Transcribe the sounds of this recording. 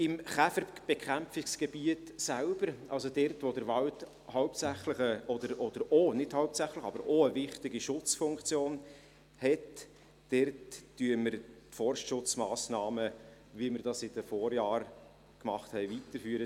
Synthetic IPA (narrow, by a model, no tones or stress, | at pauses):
ɪmχæfəɾb̥ekχæmfɪksɡ̥eb̥iətsælb̥əɾʔɑ̰lsodɛrtʋod̥əɾʋɑlt | hɑʊp̚sæχləχəɔd̪əɾɔd̥̪əɾonɪd̥hɑʊp̚sæχləχɑ̰bəɾoəvɪχt̪ɪɡiʃʊt͡sfʊŋkt͡sjoːn | hɛt | d̥ɛrtd̥yəməɾtfɔrʃtʃʊt͡smɑːsnɑːmə | viəməɾdɑsɪdəfɔːɾjɑːɾ | kmɑχthɛɪvitəɾfyːɾə